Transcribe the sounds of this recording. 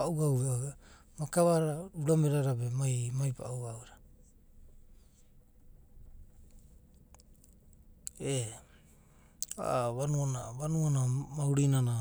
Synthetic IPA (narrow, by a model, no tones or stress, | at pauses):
aʔuawɾaa | makaβaɾɾauɾameɾaɾabemajmajpa̰uawɾa | e | a̰βanuonaβanuonamauɾinana